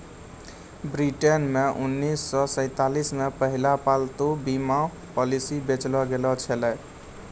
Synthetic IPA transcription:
bɾiʈenmeʔunːisːɔsə̃ɪt̪alismepəɦilapalt̪ubima | pɔlisibet͡ʃlɔɡelɔt͡ʃʰəlɛ

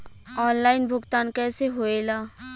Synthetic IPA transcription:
ɔːnlaːɪnbʱʊɡt̪aːnkɛːseɦoeːlaː

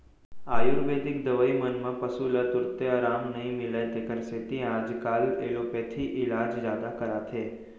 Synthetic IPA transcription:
aːjʊɾbeːd̪ɪkd̪ɐʋəimɐnmɐ̃pɐsulət̪ʊɾt̪eɐɾaːmnɐɦĩmɪlet̪ekəɾseːt̪ĩaːd͡ʒkaːleːloːpeːt̪ʰiʔɪlaːd͡ʒzjaːd̪akɐɾaːt̪ʰeː

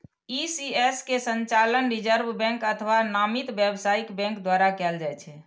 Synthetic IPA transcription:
isieskesənt͡ʃalənɾid͡ʒəɾbbɛ̃ŋkət̪ʰʋanamit̪bɛbsaikbɛ̃ŋkd̪waɾakɛld͡ʒaɛt͡ʃʰɛ

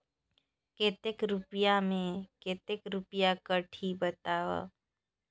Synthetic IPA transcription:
keːt̪ekɾʊpjamẽkeːt̪ekɾʊpjakəʈʰibət̪aːʋa̰

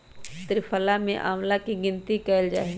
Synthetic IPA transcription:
t̪ɾɪfʰəlamẽʔaːmlakiɡɪnt̪ikɛːld͡ʒa̰ːɦ

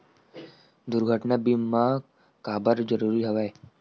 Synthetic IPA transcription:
d̪ʊɾɡʱəʈnabimã | kaːbəɾd͡ʒəɾuːɾiɦɐʋaːe

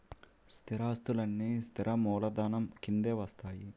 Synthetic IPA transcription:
st̪ʰiɾaːst̪ulɐnːist̪ʰiɾʔɐmɔːlɐd̪aːnɐmkind̪eːʋɐst̪aːji

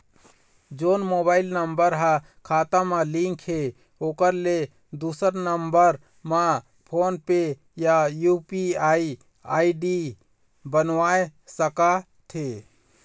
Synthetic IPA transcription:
d͡ʒoːnmoːbaːɪlnəmbəɾɦã | kʰaːt̪amãlĩŋkʰhe | oːkəɾle | d̪uːsəɾnəmbəɾ | mã | pʰoːnpe | jajupiaːi | aːiɖi | bənʋaːesəka | t̪ʰe

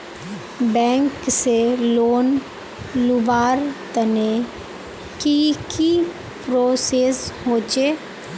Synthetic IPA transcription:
bɛ̃ːŋkseloːn | lʊbaːɾt̪əne | kiki | pɾoːseːsɦoːt͡ʃeː

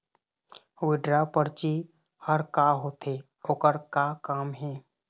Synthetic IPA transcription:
wɪɖɾapəɾt͡ʃi | həɾkaɦoːt̪ʰeː | oːkəɾkakaːmɦɛː

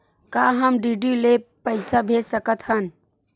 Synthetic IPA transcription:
kaːɦəmɖiːɖilepəɪsabʱeːsəkət̪ɦən

